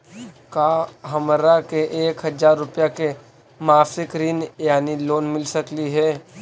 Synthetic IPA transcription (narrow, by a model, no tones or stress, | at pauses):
kaːɦɐmɾakeʔeːkɦɐd͡ʒaːɾːʊpjake | maːfɪkɾiːnjaːniloːnmɪlsəkliɦɛː